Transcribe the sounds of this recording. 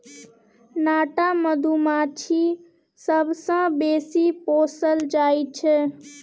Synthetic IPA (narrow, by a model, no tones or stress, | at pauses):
naːʈaməd̪ʱumãt͡ʃʰi | səbʱsãbeːsipoːsəld͡ʒaːit͡ʃʰɛ